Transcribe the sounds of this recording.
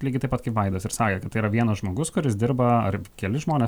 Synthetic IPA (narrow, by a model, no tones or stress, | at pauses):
lʲiɡʲɪt̪ɐɪpɐt̪̚kɐɪpʋɐɪd̪oːsɪɾsɑːkʲɛːkɐt̪ːɐiːɾɐʋʲiɛnɐsʒmoːɡʊskʊɾʲɪsd̪ʲɪɾbɐɐ̰rkʲɛlʲɪʒmoːnʲɛːs